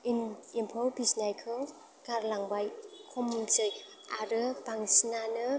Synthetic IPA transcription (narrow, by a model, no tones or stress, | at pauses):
inimpʰɔwbisnajkʰɯ | ɡ̥aɾlaŋbajkʰɔmzɯj | aɾɯbaŋsinanɯ